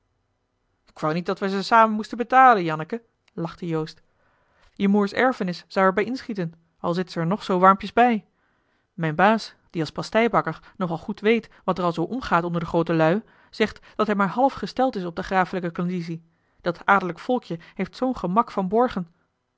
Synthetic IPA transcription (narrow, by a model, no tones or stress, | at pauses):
ɪkʋawnit̚dɑtʋəzəsaːmənmustəbətaːlənjɑnəkə | lɑχtəjowst | jəmuːɹsɛ̰ɹfənɪsːɑwɛɹbɛjɪnsχitən | ɑlˠzɪtsəɛɹnɔχsowʋɑɹmpjəzbɛj | mɛjnbaːs | d̥iɑlˠspɑstɛjbɑkəɹ | nɔχɑlˠχutʋejtʋɑtərɑlˠzowʔɔmχaːtɔndəɹdəχrowtəlœɥ | z̥ɛχtd̥ɑtɦɛjmaːɹɦɑlˠfχəstɛlˠtɪsɔb̚dəχraːfələkəkɔndis̬i | d̥ɑtʰaːɹdələkfɔlˠkjəɦejftsownχəmɑkfɑnbɔɹχən